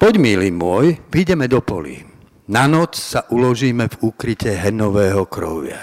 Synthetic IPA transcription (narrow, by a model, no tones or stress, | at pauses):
pɔɟmilimʊɔjʋiɟɛmɛd̪ɔpɔ̰lḭ | nanɔt͡ssaʔulɔʒiːmɛvukɾicɛɦɛnɔʋɛːɦɔkɾɔ̰ʋɪa̰